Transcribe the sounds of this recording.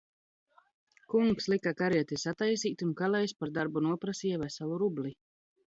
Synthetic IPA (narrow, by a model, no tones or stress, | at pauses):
kuŋkslˠikakaɾiɛt̪isat̪ajsiːt̪ʲunkalɛjspaɾd̪aɾbunuɔpɾasiɛvasalˠuɾubli